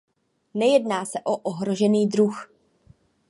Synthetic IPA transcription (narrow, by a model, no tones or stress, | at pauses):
nɛjɛdnaːsɛʔo̞ʔoɦɾo̞ʒɛniːdɾux